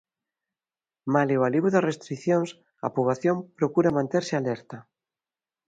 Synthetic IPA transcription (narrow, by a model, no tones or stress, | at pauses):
malewaliβʊðasrest̪ɾiθjoŋs | ɐ̰puβaθjompɾokuɾɐmãnt̪eɾsɪalɛɾt̪ɐ